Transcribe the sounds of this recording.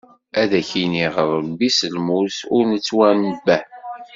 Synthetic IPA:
æðæçiniʁəɾˤbisəlmusʊɾnət͡sːwænəbːæ

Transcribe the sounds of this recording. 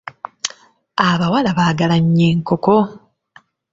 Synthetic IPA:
aβawalaβaːɡalaɲːe̞ːŋko̞ko

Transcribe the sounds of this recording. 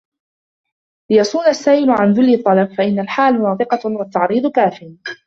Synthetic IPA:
lɪjɑsˤuːnasːaːʔɪlʊʕanðʊlːɪt̪ˤːɑlɑb̚faʔɪnːalħaːlnɑːðˤɨqɑwat̪ːɑʕɾiːd̪ˤkaːfɪj

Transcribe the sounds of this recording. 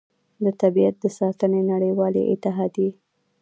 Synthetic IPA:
d̪ət̪abiat̪̚d̪əsɑt̪ənenaɽəjwɑlḛʔɪ̰t̪ɪɦɑd̪je

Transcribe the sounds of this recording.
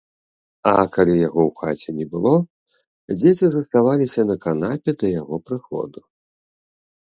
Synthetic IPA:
ɐkalʲijaɣɔwxat͡sʲɛnʲɛbɨlˠɔ | d͡zʲɛt͡sʲizɐst̪avalʲisʲɐnɐkan̪apʲɛd̪ɐjaɣɔpɾɨxɔ̰d̪u

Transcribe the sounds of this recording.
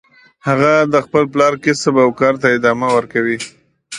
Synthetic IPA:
haɣad̪əxpəlplɑɾkɪsəbawkɑɾt̪aɪd̪ɑmawəɾkawi

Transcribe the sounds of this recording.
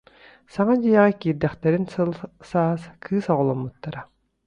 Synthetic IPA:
saŋad̪ijɛʁɛkiːɾd̪ɛχt̪ɛɾinlsaːskʰɯːsɔʁɔlˠɔmːut̪ːaɾa

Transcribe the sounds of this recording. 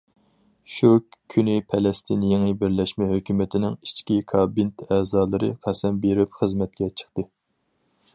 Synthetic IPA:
ʃukʲʰːynɪpʰɛlɛst̪ʰɨnjeŋɨbɪɾlɛʃmɛɦøkʲymɪt̪ʰɪnɪŋit͡ʃkʲikʰɑːbint̪ʰɛːzɑːlˠɨɾɨ̰qʰæsɛmbeɾɪpχəzmɛt̪̚kʲɛt͡ʃʰə̥χt̪ɨ

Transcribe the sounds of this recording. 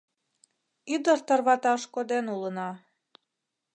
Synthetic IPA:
yd̪ərt̪ərβɑt̪ɑʃkod̪enulənɑ

